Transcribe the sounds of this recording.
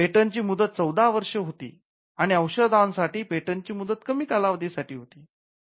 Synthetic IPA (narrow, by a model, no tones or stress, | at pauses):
peʈənt͡ɕiːmud̪ət̪̚t͡səwd̪aʋəɾʂəɦot̪ḭː | aɽ̃iəwɕəd̪ansaʈiːpeʈənt͡ɕiːmud̪ət̪kəmiːkalaʋəd̪ʱisaʈiːɦot̪iː